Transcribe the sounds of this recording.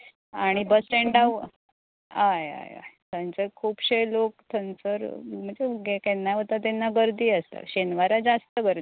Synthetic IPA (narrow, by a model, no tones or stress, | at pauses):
aɽ̃ibəsʈẽɳɖaw | aja̰ja̰jt̪ʰənt͡səkʰuːpɕejlokt̪ʰənt͡səɾm̤əɳd͡zeɡekɛnːaʋət̪at̪ɛnːaɡəɾd̪iːəst̪a̰ɕenʋaɾad͡zast̪əɡəɾ